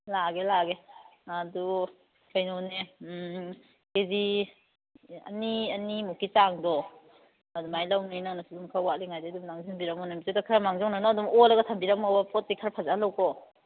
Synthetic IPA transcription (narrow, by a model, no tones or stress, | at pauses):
laɡelaɡeadu | kʰajnɔne | kezi | ɐ̰niɐnimukit͡ʃaŋdɔ | ɐdumajlawninaŋnasudumkʰawaliŋajdedumlaŋzinbiɾamɔnambitetakʰɾamaŋzɔŋnanɔːdumɔlaɡatʰambiɾamɔbapɔt̚dikʰaɾpʰazaalawkɔ